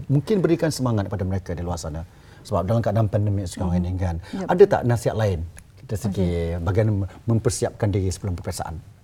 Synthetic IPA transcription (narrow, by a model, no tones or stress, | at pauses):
muŋkɪnbəɾikansəmaŋat̪̚kə̥padaməɾekadiluarsana | səbap̚dalamkadaŋpɛndəmisu̥kaainikanʔadat̪a̰ʔnasiɦat̪̚laɪn | taisəɡibaɡaanmə̃mpərsiap̚kandiɾisəbəlumpərpiasa̰ʔa̰n